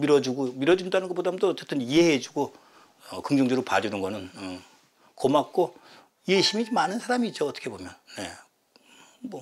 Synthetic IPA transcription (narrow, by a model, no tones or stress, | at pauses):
miɾʌd͡ʑuɡomiɾʌd͡ʑundanɯnɡʌp͈odaɯmndoʌt͡ɕ͈et͈ɯnieɦed͡ʑuɡo | ʌkɯŋd͡ʑʌŋd͡ʑʌɾopad͡ʑunɯnɡʌnɯnɯ | komak̚k͈o | jeɕʰimimanɯnsʰaɾamiːt̚t͡ɕ͈oʌt͈ʌ̥kʰe̞bomjʌnːe̞̰ | mʌ